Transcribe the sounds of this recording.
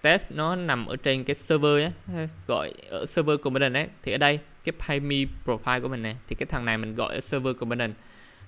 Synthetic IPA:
t̪ɛ˦˥snɔ˨˦na˨˩mʔəː˧˩˦t͡ɕe˧nkaː˨˦jsəː˧vəː˧ʔaː˨˦˨ɣɔ̰˧˨jʔə̰ː˧˩səː˧vəː˧ko˧˩mɓə˧nə˨˩nʔə˨˦t̪ʰi˨˩ʔəː˨˩ɗə˧jkaː˨˦jpʰaː˧mi˧pɹo˨˩faː˧jku˧˩əmï˨˩ŋna˨˩jt̪ʰi˨˩kaː˨˦jt̪ʰa˨˩ŋna˨˩jmï˨˩ŋ̟ɣɔ̰˧˨jʔəː˧˩˦sə˧vəː˧ko˧˩ɓə˧nə˨˩n

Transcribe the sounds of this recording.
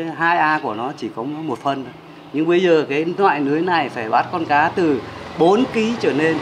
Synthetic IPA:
ɦaː˧jʔaː˧ku˧˩ənɔ˨˦t͡ɕi˧˩kɔ˨˦mo˨˩t̚fə˨˧nː˨ | ɲɨ˧ŋɓə˧jzəː˨˩kaː˨˦nwa̰ː˧˨jnɨ˨˦əjna˨˩jfaː˧˩jɓa˦˥t̚kɔ˧nkaː˨˦t̪ɨ˨˩ɓo˨˦nki˨˦t͡ɕəː˧˩ne˧n

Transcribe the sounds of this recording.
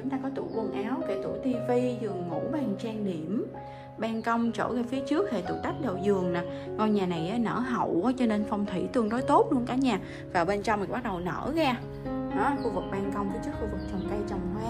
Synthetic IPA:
t͡ɕʊ˨˦ŋ͡mt̪aː˧kɔ˨˦t̪u˧˩lu˧nʔaː˨˦wke˧˩t̪ṵ˧˩t̪i˧vi˧zɨ˨˩əŋːu˧˥ɓaː˨˧˩ŋt͡ɕaː˧ŋɗi˧˩˨əm | ɓaː˧ŋkə˧wŋ͡mt͡ɕo̰˧˩ɣaː˧fi˨˦ət͡ɕɨ˦˥ək̚he˨˩t̪ṵ˧˩t̪a˦˥jk̟̚ɗə˨˩wzɨ˨˩əŋna˨˩ | ŋɔ˧jɲaː˨˩na˨˩jʔaː˨˦nə̰ː˧˩ɦə̰˧˩˨wʔaː˨˦t͡ɕɔ˧ne˧nfɔ˧wŋ͡mt̪ʰwḭ˧˩t̪ɨ˧˩əŋɗo˨˦jt̪o˦˥t̚lu˧əŋkaː˨˦ɲaː˨˩ | vaː˨˩ɓe˧nt͡ɕɔ˧wŋ͡mm˨˩ɓa˦˥k̚ɗə˨˩wnə̰ː˧˩ɣaː˧ | ɗɔ˨˦xu˧vɨ˨˩k̚ɓaː˧ŋkə˧wŋ͡mkə˨˦t͡ɕə˦˥t̚xu˧vɨ˨˩k̚t͡ɕɔ˨˧˩wŋ͡mkə˧jt͡ɕɔ˧wŋ͡mhwaː˨˦

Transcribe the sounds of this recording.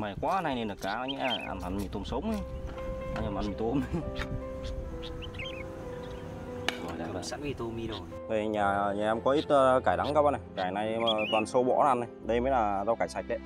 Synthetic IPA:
ma˨˩kwaː˨˧˦a˧nha˧jna˧nə˨˩k̚kaː˨˦a˧jɲɛ̰˧˥ʔa̰˧na˨˧nmi˨˩t̪o˨˧msə˨˦wŋ͡mə˨˧˦ | a̰˧ɲa˧˩ʔa˨˧nmi˨˩t̪o˧m˧ | zɔ˨˩jɗa̰˨˧˨sa̰˧˥i˧˩t̪o˧mi˧ɗo˨˩ | ə˧˩jɲaː˨˩ɲaː˨˩ʔɛ˧mkɔ˨˦ʔi˦˥t̚ːkaː˧˩jɗa˨˦ŋkaː˧wa˧na˨˩jkaː˧˩jna˧jt̪waː˨˩nso˧˦ɓɔ̰˧˥a˨ʔa˧na˨˩jɗə˧jməː˨˦jlaː˨˩za˧wkaː˧˩jsa˨˩jk̚ɗə˧˦j

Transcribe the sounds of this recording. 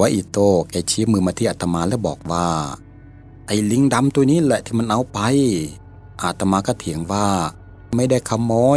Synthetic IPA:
a˧˦ʔi˧˩t̪oː˧˩ka˧˩t͡ɕʰi˧˦mɯː˧˩maː˧t̪ʰiː˧˩ʔa˨˧t̪a˧maː˧lɛː˧˥˨bɔ̰ː˨˩k̚waː˧˩ | ʔa˧˩jli˧˥˨ŋda˧˥mt̪u˧niː˦˥˨lɛ˧˨ʔt̪ʰiː˧ma˧˥nʔa˧˩wpa˧j | ʔaː˨˩t̪ːa˧maː˧ka˧˩t̪ʰi˨˦əŋwaː˧˩ | ma˧˥˩jda˧˩jkʰa˧˥mːɔː˧˥

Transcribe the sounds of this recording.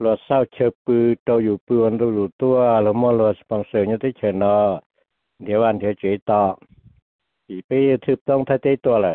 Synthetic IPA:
lu˧ət̪̚sa˧˨wt͡ɕʰə˧pɯː˧t̪o˧wjuː˨˩pɯ˧ənt̪o˧juː˨˩t̪u˧əlɔ˧mɔ˧˨lu˧˩t̪spa˧˨ŋsəː˨˩ɲ˧t̪i˧˩t͡ɕʰəː˧˩nɔː˧˦ | t̪ʰi˨˦wʔa˧˨nt̪ʰi˨˦t͡ɕi˨˩˦jt̪ɔː˧˩ | siː˨˩piː˧˨t̪ʰɯː˧˩p̚t̪ɔ˥˨ŋt̪ʰaː˧˩jt̪i˧˥˨t̪u˧ɐ˧la˨˩

